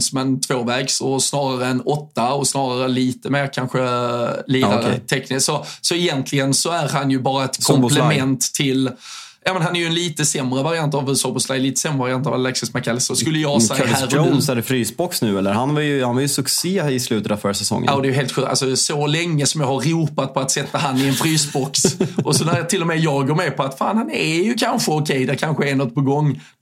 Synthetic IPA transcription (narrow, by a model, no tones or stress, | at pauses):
smɛnt̪ʰvoːvɛːɡsɔsnɑːɾaɾəɛnɔt̪ːaɔsnɑːɾaɾəɛliːt̪əmeːɾkʰanɧəliːd̪aɾt̪ʰɛknɪsɔsɔɛjɛnt̪ʰlɪɡənsɔæɾhanjɵbɑːɾaɛt̪kʰɔmmlmɛnt̪ʰːɪl | jɑːmɛnhanæɾjɵɛnliːt̪əsɛmɾəvaɾɪant̪avsɔpɔslaliːt̪ə̥sɛmɾəvaɾɪant̪avalɛksɪsmɛkːɛlɪsɔskɵlːəjɑːsɛhæːɾonsæɖɛfɾyːsbɔksnʉ̟ːɛlːəɾhanvɑɾjɵhanvɑjɵsɵkseːɪslʉ̟ːt̪ət̪avfœɾsɛsɔ̰ŋːə̰aːd̪ɛːjɵɦeːlt̪ɧʉːkt̪a̰sɔsɔlɛŋːəsɔmjɑhaɾːuːpat̪̚pʰɔat̪sɛt̪ːahanːɪɛnfɾyːsbɔksʔɔsɔnæɾt̪ʰɪlːɔmɛjɑːɡoːɾmɛpʰɔat̪fa̰ːnhanɛæjɵkʰanɧəɔkʰɛjd̪æɾkʰanɧəɛnɔt̪̚ːpʰɔɡɔŋː